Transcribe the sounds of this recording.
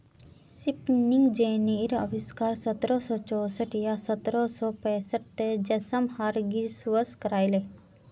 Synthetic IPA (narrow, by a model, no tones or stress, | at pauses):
sipnɪŋɡd͡ʒeːneɾə̰ʋɪskaːɾsət̪ɾɔsɔːt͡ʃɔːsəʈjasət̪ɾɔsɔːpɛ̃ːsəʈt̪ed͡ʒɐsəmhaɾɡiɾsʋəɾskəɾaːile